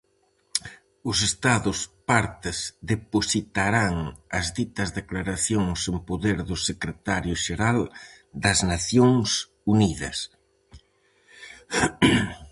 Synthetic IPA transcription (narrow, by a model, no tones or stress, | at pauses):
ʊsest̪aðʊspaɾt̪ɪzðeposit̪aɾaŋɐzðit̪ɐzðeklaɾaθjoŋsempoðeɾðʊsekɾet̪aɾjʊʃeɾal | d̪ɐznaθjoŋs | uniðɐ̰s